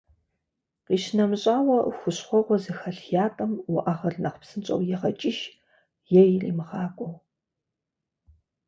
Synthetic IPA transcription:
qiːɕnɐmɕʼaːwɐxʷʊɕχʷɔʁʷɔzɨxɐɬjaːtʼɐmwʊʔaʁɐɮnɐχʷpsɨnt͡ʃʼɐ̰wjɛʁɐt͡ʃʼɪʃ | jɛjrḭːmɨʁɑːkʷʼɔw

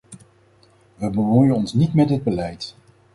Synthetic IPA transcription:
ʋəbəmujənɔnsnitmɛtɦəd̚bəlɛjt

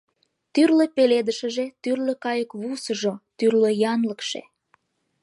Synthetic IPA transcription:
t̪yrlepeled̪əʃə̆ʒet̪yrləkɑjəkβusəʒot̪yrløjɑnləkʃḛ

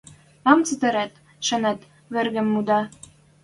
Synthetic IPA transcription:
ɑmt͡sət̪ɘ̆ɾæt̪ | ʃɤ̆næt̪ | βɘ̆rɣɘ̆mːud̪ɑ

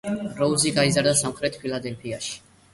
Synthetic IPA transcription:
ɾɔuziɡaizaɾd̪asamχɾɛt̪ʰpʰilˠad̪ɛlpʰiaʃi̥

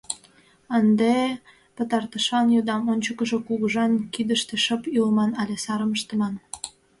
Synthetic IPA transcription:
ənd̪e | pət̪ɑrt̪əʃɑnjod̪ɑmonʲt͡ɕəkəʒokuɣəʒɑnkid̪əʃt̪eʃəpylmɑnɑlʲesɑɾəməʃt̪ə̆mɑn

